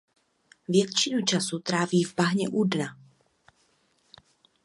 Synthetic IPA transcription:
vjɛt̪t͡ʃɪnut͡ʃasut̪ɾaːviːvbaɦɲɛ̰ʔudna

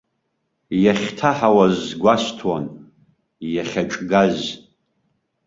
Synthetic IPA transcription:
jaχʲtʰaħawazɡʷastʰwan | jaχʲaʈ͡ʂʼɡaz

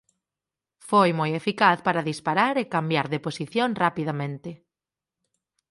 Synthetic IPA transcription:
fojmojefikaθpaɾaðispaɾaɾekambjaɾðeposiθjoŋrapiðamẽnt̪ɪ

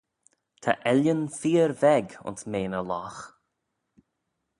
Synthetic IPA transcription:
t̪ʰa̰ʔɛljənfiːɾvɛɡʊ̰nsmeːnəlɔx

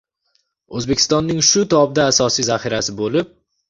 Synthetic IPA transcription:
ozbe̞kʲʰɪ̥st̪ɒnːɪŋʃʊt̪ʰɒb̚d̪aːsɒsizaχɪɾasɪbolɪp̚

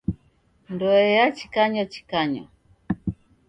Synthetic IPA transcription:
ndɔɛjat͡ʃi̥kaɲɔt͡ʃi̥kaɲɔ̰

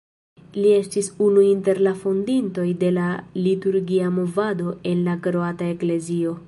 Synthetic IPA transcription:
lie̞stisunuinte̞ɾlafondinto̞jde̞lalituɾɡiamo̞vado̞e̞nlakɾoatae̞kle̞zio̞

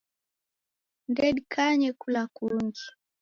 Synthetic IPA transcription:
ndɛɗikʰaɲɛkulakuɾuŋɡi

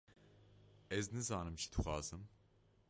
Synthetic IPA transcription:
ɛznɨzɑːnɨmt͡ʃʰi̥d̪ɨxʷɑːz̥ɨm

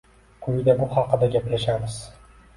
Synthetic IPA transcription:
qʰʊjd̪abʊhɑqɨd̪aɡʲapjaʃamɪz̥

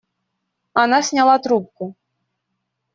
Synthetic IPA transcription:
anɑsʲnʲalˠɑt̪ɾup̚ku

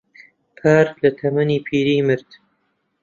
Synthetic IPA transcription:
pʰaːɾklɐt̪ʰɐmɐniːpʰiːɾiːmɨɾd̪̥

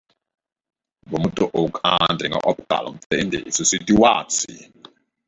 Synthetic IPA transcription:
bomutʼɔʔokʼandʱʼiŋɡa̰ʔɔp̚ɡ̥a̰lʔɔ̰m̩tendɛ̰ʔisusitiwaːt͡sʰḭ

